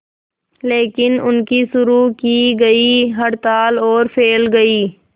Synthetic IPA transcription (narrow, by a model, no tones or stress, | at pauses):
leːkɪnʊnkisʊɾukiːɡɐiɦɐɽt̪aːlɔːɾfʰeːlɡɐiː